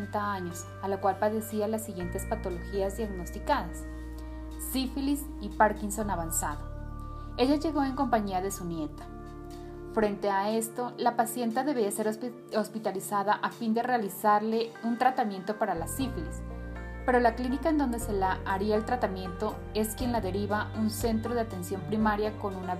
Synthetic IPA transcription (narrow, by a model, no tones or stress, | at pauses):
nt̪aaɲo̞s | alakwalpaðe̞sialasːiɣje̞nt̪e̞spat̪o̞lo̞xiazðjaɣno̞st̪ikaðasː | ifilis | ipaɾkinso̞naβansaðo | e̞ʝaʝe̞ɣo̞e̞ŋko̞mpaɲiaðe̞sunje̞t̪ḁ | fɾe̞nt̪e̞aest̪o̞lapasje̞nt̪aðe̞βiase̞ɾ | ospit̪alisaðaʔafind̪e̞re̞alisaɾle̞unt̪ɾat̪amjẽ̞nt̪o̞paɾalasiflispe̞ɾo̞laklinikaend̪o̞nd̪e̞se̞laʔaɾiaelt̪ɾat̪amjẽ̞nt̪o̞ | e̞skje̞nlaðe̞ɾiβaunse̞nt̪ɾo̞ðe̞at̪e̞nsjo̞mpɾimaɾjako̞nuna